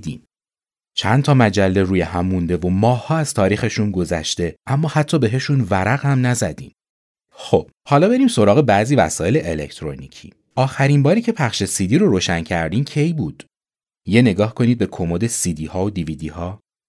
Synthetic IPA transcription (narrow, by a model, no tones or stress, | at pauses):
d̪ḭːm | t͡ʃʰænt̪ʰɒːmæd͡ʒælːe̞ɾuːjeɦæmːund̪e̞vo̞mɒːhhɒːæz̥t̪ʰɒːɾiːxe̞ʃunɡo̞zæ̰ʃt̪e̞ʔæmːɒːhæt̪ʰːɒːbe̞ɦe̞ʃunvæɾæɣhæmnæzæd̪ḭːm | xob̥hɒːlɒːbe̞ɾiːmso̞ɾɒːɣe̞bæziːvæ̰sɒːe̞leʔelḛcʰt̪ʰɾo̰nicʰḭː | ʔɒːxæɾimbɒːɾiːcʰe̞pʰæχʃe̞sid̪iːɾo̞ɾoːʃæncʰæɾd̪iːmcʰe̞jbuːd̪̥ | je̞ne̞ɡɒːhkʰo̞niːd̪̚be̞kʰo̞mod̪e̞sid̪iːhɒːod̪ivid̪iːhɒː